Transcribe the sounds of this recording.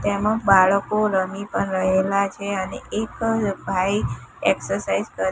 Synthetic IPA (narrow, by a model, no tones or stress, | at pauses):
t̪emə̃kbaɭəkoɾəmipəɳɾəɦelat͡ʃʰeənḛʔekbʱaieksəɾsaizkəɾ